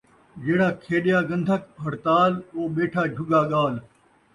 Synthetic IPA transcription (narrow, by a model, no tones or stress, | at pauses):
d͡ʒeːɽaːkʰeːɗɪjaːɡə̃nd̪ʱəkɦɐɽt̪aːloːɓeːʈʰaːd͡ʒʱʊɡaːɠaːl